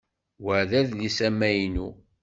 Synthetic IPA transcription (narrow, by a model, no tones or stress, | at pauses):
wəʕðæðlisæmːæjnu